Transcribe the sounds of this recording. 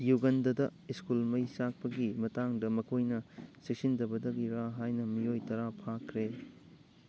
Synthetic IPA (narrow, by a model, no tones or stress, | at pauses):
juɡɐndɐdɐiskulmɐjsak̚pɐɡimɐtaŋdɐmɐkʰojnɐsik̚sindɐbɐdɐɡiɾaɦajnɐmiojtɐɾapʰakʰɾe